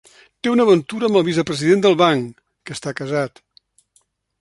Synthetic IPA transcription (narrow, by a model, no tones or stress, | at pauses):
t̪eunəβənt̪uɾəmbəlˠβizəpɾəziðend̪əlˠβaŋ | kəst̪akəzat̪